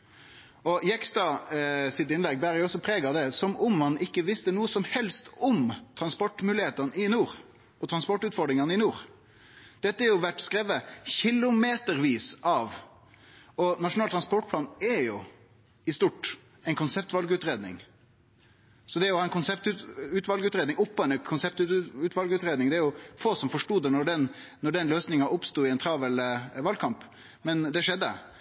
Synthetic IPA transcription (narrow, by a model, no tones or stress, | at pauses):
ɔjɛkst̪ɑsɪt̪ɪnlɛɡ̚bæɾjʊɔsːɔpʰɾeːɡɑd̪ɛsɔmʊmmɑnɪkːəʋɪst̪ənuːəsɔmhɛlst̪ɔmt̪ʰɾɑnspɔʈːmʉːlɪheːt̪ɑnəɪnuːɾ | ɔt̪ʰɾɑnspɔʈːʉːt̪fɔɖ̪ɾɪŋɑnəɪnuːɾ | d̪̥ɛt̪ːəæɾjʊʋæʈːskɾɛʋːəçɪlʊmeːt̪əɾʋiːsʔɑʋ | ɔnɑʂʊnɑːt̪ʰɾɑnspɔʈ̚pʰlɑːnɛɾjʊ | ɪst̪uʈ | ɛɪnkʊnsɛp̚t̪ʋɑlɡʉːt̪ɾeːd̪nɪ̰ŋ | sɔd̪ɛæɾjʊhɑɛnkʰʊnsɛpt̪ʉʉːt̪ʋɑlɡʉːt̪ɾeːd̪nɪŋʊpːɔɛnəkʰʊnsɛp̚t̪ːʉːt̪ʋɑlɡʉːt̪ɾeːd̪nɪŋd̪ɛæɾjʊfoːsɔmfɔʂʈuːd̪ɛnɔɖɛnnɔɖɛnløːsnɪŋɑʔʊpst̪uːɪɛnt̪ʰɾɑːʋəlʋɑlkʰɑmp | mɛnd̪ɛʂɛd̪ːə̰